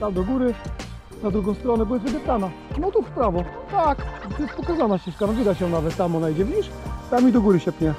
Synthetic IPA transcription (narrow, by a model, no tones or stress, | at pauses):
t̪amd̪ɔɡuɾɘ | nad̪ɾuɡɔ̃w̃st̪ɾɔnɛbujɛvɛd̪ɛp̪t̪ana | nɔt̪ufpɾavɔt̪akjɛst̪̚pɔkazanaɕt͡ɕɛʂkanɔvʲid̪at͡ɕɔ̃navɛt̪t̪ːamɔnaid͡ʑɛvʲid͡ʑiɕ | t̪amid̪ɔɡuɾɘɕɛp̪ɲɛ